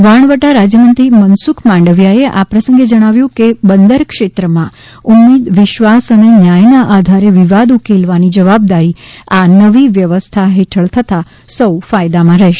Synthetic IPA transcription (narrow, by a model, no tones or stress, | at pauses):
ʋaɳ̃ʋəʈaɾad͡ʒjəmənt̪ɾimənsukʰmãɳɖəʋjaeʔapɾəsə̃ŋɡed͡ʒəɽ̃aʋjũkebənd̪əɾkʃet̪ɾəmã | umːid̪ʋɪʃʋasənenjajnaʔad̪ʱaɾeʋiʋad̪ukelʋanid͡ʒəʋab̚d̪aɾianəʋiʋjəʋəst̪ʰaɦeʈʰəɭt̪ʰət̪a | səwfajd̪amãɾɛɦʃe̥